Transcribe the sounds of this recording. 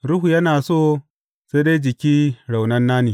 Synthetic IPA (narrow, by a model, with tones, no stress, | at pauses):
ɾu˦ɦu˨jɐ˦naː˨soː˦ | se˦de˦jd͡ʒɪ˨kʲiː˦ɽa˨wnɐ˦nːaː˦niː˨